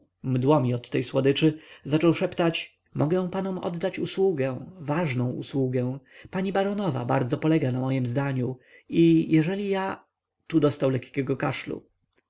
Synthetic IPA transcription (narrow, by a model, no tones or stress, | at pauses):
md̪wɔmʲiɔt̪ːɛjswɔd̪ɘt͡ʂɘzat͡ʂɔwʂɛpt̪at͡ɕ | mʔɔɡɛw̃panɔmɔ̰d̪ːat͡ɕuswuɡɛw̃vaʐnɔ̃w̃ṵswuɡɛ̃paɲibaɾɔnɔva̰baɾd̪zɔpɔlɛɡanamɔjɛmzd̪aɲu | ijɛʐɛlʲija | t̪ud̪ɔst̪awlɛkkʲɛɡɔkaʂlṵ